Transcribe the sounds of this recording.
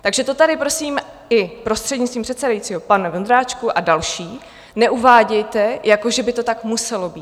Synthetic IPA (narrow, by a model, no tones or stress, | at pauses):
t̪aɡʒɛt̪o̞t̪aɾɪpɾo̞siːm | ɪpɾo̞st̪r̥ɛdɲɪt̪t͡st̪viːmpr̥ɛt̪sɛdajit͡siːɦo̞panɛvond̪ɾaːt͡ʃkuʔadalʃiː | nɛʔuvaːɟɛjt̪ɛjako̞ʒɛbɪt̪o̞t̪akmusɛlo̞biːt̪